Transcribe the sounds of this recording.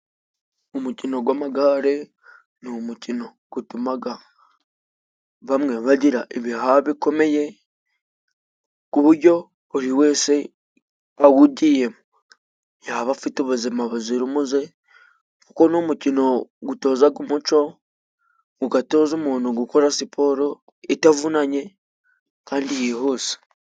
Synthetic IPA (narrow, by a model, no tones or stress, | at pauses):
umucino̞ɡwamaɡaːɾe̞ | nomucino̞ | ɡ̥utumaɡa | βamŋe̞βaɟiɾaʔeβiɦaβiko̞me̞je̞ | kuβuɾɟo̞ː | ɾiwe̞ːse̞ | awuɟije̞mu | jaβafitoβuzimaβuziɾimuze̞ | kuko̞nomucino̞ɡuto̞ːzaɡumut͡ʃo̞ | ɡuɡato̞ːzomuːnuɡuko̞ɾasipʰo̞ɾo̞ | etavunaɲe̞ | kaːndijeɦoːsḁ